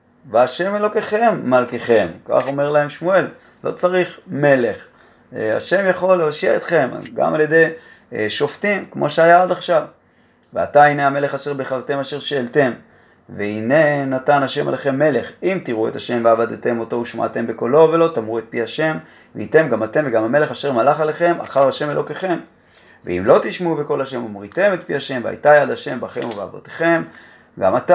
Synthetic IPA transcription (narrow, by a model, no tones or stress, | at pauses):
veaʃe̞melo̞ke̞χe̞mːalkeχe̞mka̰χo̞me̞ʁlae̞mʃmue̞l | lo̞̰t͡saʁiχme̞leχ | a̰ʃe̞mjaχo̞lːeoʃiaet̪χe̞mɡa̰malje̞d̪e̞j | ʃo̞ft̪imkmʔo̞̰ʃeajaod̪aχʃav | vea̰t̪aineame̞le̞χaʃeʁbeχavt̪e̞maʃe̞ʁʃeːlt̪e̞m | veine̞nat̪anaʃe̞ma̰leχe̞mːe̞le̞χimt̪iʁuet̪aʃe̞mveavad̪t̪e̞mo̞to̞uʃma̰a̰t̪e̞mbeko̞lo̞ve̞lo̞t̪amʁuet̪̚piaʃe̞m | vḛit̪e̞mɡamat̪e̞mveɡamame̞le̞χaʃeʁmalaχaleχe̞ma̰χaʁaʃe̞me̞lo̞ke̞χe̞m | vḛḭmlo̞t̪iʃmeubeko̞laʃe̞momʁit̪e̞met̪̚piaʃe̞mvea̰jt̪ajad̪aʃe̞mbaχe̞̰muvea̰vot̪e̥χe̞m | ɡa̰mat̪a